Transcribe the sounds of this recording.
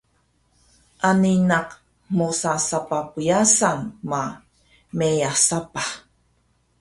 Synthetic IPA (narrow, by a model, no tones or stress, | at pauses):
ʔaninaq | mosasapapujasanma | mejasapa